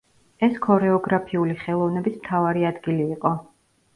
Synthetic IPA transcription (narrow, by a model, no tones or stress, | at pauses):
ɛskʰɔɾɛɔɡɾapʰiuliχɛlˠɔvnɛbismt̪ʰavaɾiad̪ɡiliːqʼɔ